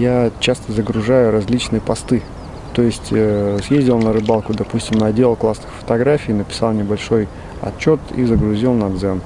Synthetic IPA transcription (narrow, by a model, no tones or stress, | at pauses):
jat͡ɕast̪əzəɡɾʊʐajʊɾɐzʲlʲit͡ɕnɨjəpɐst̪ɨ | t̪o̞jɪsʲtʲsjezʲdʲɪlˠnəɾɨbɑlˠkʊd̪ɐpusʲtʲɪmnɐdʲelˠklˠasnɨxfə̥t̪ɐɡɾafʲiːnəpʲɪ̥sɑlˠnʲɪbɐlʲʂo̞j | ɐ̰t͡ɕːo̞t̪ḭzəɡɾʊzʲilˠnɐd̪zɛn